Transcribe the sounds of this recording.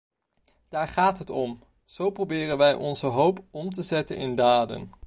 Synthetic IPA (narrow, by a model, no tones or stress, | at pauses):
d̥aːɹχaːtɦətɔm | z̥owprowbɪːrənʋɛjʔɔnzəɦowpɔmtəzɛtənɪ̰ndaːdə̰n